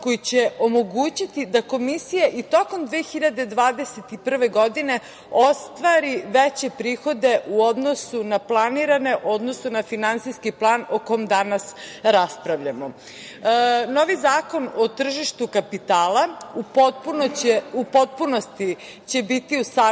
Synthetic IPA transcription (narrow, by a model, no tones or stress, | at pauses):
ko̞jit͡ɕeomo̞ɡuːt͡ɕit̪id̪ako̞misijaʔit̪o̞komd̪ʋeexiʎad̪e̞d̪ʋaːd̪e̞set̪ipr̩ʋe̞ɡo̞d̪ine̞ | ost̪ʋaɾiʋet͡ɕe̞pɾiːxo̞d̪e̞ʔuod̪no̞sunaplˠaniɾane̞ʔo̞d̪nosunafinant̪sijskiplˠaːnokomd̪anasɾaspɾaʋʎamo | no̞ʋizaːko̞not̪r̩ʒiʃt̪ukapit̪aːlˠa | pupo̞t̪̚punost̪i | t͡ɕe̞bit̪iusa